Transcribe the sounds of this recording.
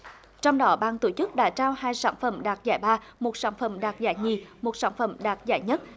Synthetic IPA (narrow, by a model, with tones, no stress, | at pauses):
t͡ɕɔ˧wŋ͡mɗɔ˨˦ɓaː˧˨ŋt̪o˧˩t͡ɕɨ˦˥k̚ɗa̰ː˧˥t͡ɕaː˧whaː˧jsaː˧˩nfə˧˩mɗaː˨˩t̚zaː˧˩jɓaː˧mo˨˩t̚saː˧˥nfə˧˩mɗaː˨˩t̚zaː˧˩jɲi˨˩mo˨˩t̚saː˧˥nfə˧˩mɗaː˨˩t̚zaː˧˩jɲə˦˥t̚